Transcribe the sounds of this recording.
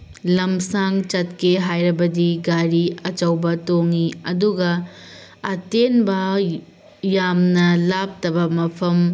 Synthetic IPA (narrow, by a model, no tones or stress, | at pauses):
lɐmsaŋt͡ʃɐt̚keɦajɾɐbɐdiɡaɾiɐt͡ʃɐwbɐtoŋiɐduɡɐ | ɐtenbɐ | jamnɐlap̚tɐbɐmɐpʰɐm